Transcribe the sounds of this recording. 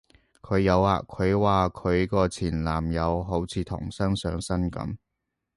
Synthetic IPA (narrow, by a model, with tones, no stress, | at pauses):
kʰɵ˨˧ɥjɐ˨˧waː˨kʰɵ˨˧ɥwaː˨kʰɵ˨˧ɥkɔː˧t͡sʰiː˨˩nlaː˨˩mjɐ˨˧wɦo˨˥wt͡sʰiː˨˧t̪ʰʊ̰˨˩ŋsɐ˥ŋsœː˨˧ŋsɐ˥nkɐ̰˨˥m